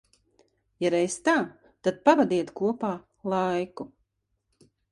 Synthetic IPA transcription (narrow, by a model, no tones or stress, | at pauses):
jaɾɛjst̪aː | t̪ad̪̥̚pavad̪iɛt̪kuɔpaː | lˠajku